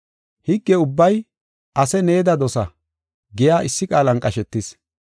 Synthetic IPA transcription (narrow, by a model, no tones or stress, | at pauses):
hɪɡːɛʊbːɐj | ʔɐsɛneːd̪ɐd̪ɔsɐ | ɡɪjaːʔɪsːɪkʼaːlɐnkʼɐʃɛt̪ːɪs